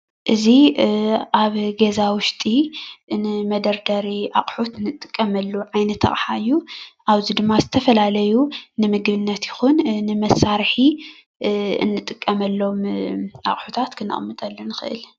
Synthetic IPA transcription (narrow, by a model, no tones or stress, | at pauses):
ʔɨzi | ʔaβɡezawʊʃt̪ʼinɨmɐd̪ɐɾd̪ɐɾiʔa̰χʼħut̪nɨt̪ʼːɨkʼːɐmɐlːuʕajnɐt̪ʰːɐ̰χʼħaɨjːuʔaβzid̪ɨmːazɨt̪ʰɐfɐlalɐjunɨmɨɡbɨnːɐt̪jɪxunnɨmɐsːaɾħi | ɨ̰nːɨt̪ʼɨkʼːɐmɐlːo̞mʔa̰χʼħut̪ʰat̪kʰɨnːɨ̰χʼmːɨt̪ʼɐlːɐnɨxɨʔɨ̰l